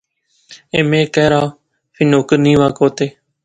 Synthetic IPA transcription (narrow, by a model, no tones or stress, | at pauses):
eːmẽːkɛːɾaː | fʰɪnoːkənĩːʋaːkoːt̪eː